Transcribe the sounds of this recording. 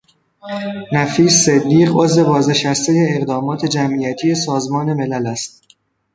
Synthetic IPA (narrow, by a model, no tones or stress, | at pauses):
næfiːsːed̪ːiːʁo̞zve̞bɒːzne̞ʃæst̪ejeːɣd̪ɒːmɒːt̪ʰe̞d͡ʒæmʔijæt̪ʰije̞sɒːzmɒːne̞me̞lælæst̪̚